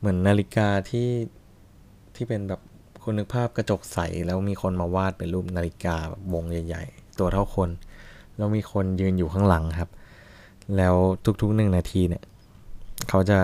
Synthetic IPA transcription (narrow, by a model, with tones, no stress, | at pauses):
mɯ˩˦ənːaː˧li˦˥kaː˧t̪ʰiː˥˩ | t̪ʰiː˥˩pe˧nbɛː˨˩p̚ | kʰu˧nːɯ˦˥k̚pʰaː˥˩p̚kɾa˧t͡ɕo˨˩k̚sa˨˩˦jlɛː˦˥wmiː˧xʰo˧nmaː˧waː˥˩t̪̚pe˧nluː˥˩p̚naː˧li˦˥kaː˧bɛ̰ː˨˩p̚wo˧ŋja˨˩ja̰˨˩jt̪u˧ɐt̪ʰa˥˩wkʰo˧nlɛː˦˥wmiː˧xʰo˧njɯː˧njuː˨˩kʰaː˧˥˩ŋla˩˦ŋkʰa˦˥p̚ | lɛː˦˥wt̪ʰu˦˥k̚t̪ʰu˦˥k̚nɯ˨˩ŋnaː˧t̪ʰiː˧ni˥˩ɐ | kʰa˦˥wt͡ɕa˨˩